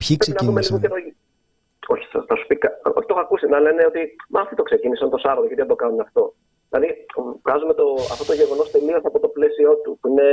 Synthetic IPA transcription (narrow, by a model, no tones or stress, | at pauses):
pçikpɾespinɐiumeliɣoeɾoʝi | o̞çi̥θɐθɐsu̥pikɐo̞̰çit̪o̞xɐkusinɐle̞ne̞o̞t̪imɐfit̪o̞kse̞cinisɐnt̪o̞sɐɾɐt̪ocet̪iðed̪o̞kɐnumeɐft̪o̞ | ðilɐðivɣɐzume̞t̪o̞ɐ̰ft̪o̞t̪o̞ʝe̞ɣo̞no̞st̪e̞liosɐpo̞t̪o̞ple̞sio̞t̪upuine̞